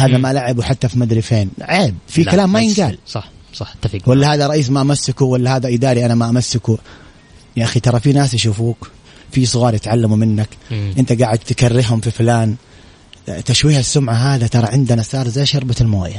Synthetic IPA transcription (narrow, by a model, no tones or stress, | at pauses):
haːðamalaʕɪbuħat̪ːafimad̪ɾɪfeːnʕaʕɪb̚fikalaːmːajɪnɡaːlsˤɑħsˤɑħt̪ːafɡwalːahaːðaɾˤɑʔiːs̬maʔamasːɪkuwalːahaːðaʔɪd̪aːɾiʔanamaʔamasːɪku | ʔaxit̪ɑɾˤɑfinaːsjaʃuːfuːk | fisˤʊɣɑːɾˤjɪt̪ʕalːamumɪnːakʔɪnt̪aɡaːʕɪd̪̚t̪karːɪɦʊmfiflaːn | t̪aʃwiːhasːʊmʕaɦaːðat̪ɑɾˤɑʕɪnd̪anasɑːɾˤzeːʃɑɾˤbaɪlmo̰ːja